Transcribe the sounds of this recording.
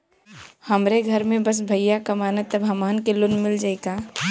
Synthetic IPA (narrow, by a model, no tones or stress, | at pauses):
həmɾeɡʱəɾmẽbəs̬bʱəjjakamaːnət̪ːəbʱəmaːnkelonmɪld͡ʒaɪka